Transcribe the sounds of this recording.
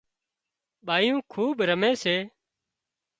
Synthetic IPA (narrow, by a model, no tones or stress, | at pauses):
ɓaːijũːkʰuːɓɾəmeːseː